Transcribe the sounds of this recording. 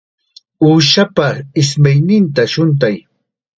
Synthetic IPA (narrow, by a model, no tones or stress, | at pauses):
uːʃapaɪsmajnɪnt̪aʃʊnt̪̬aj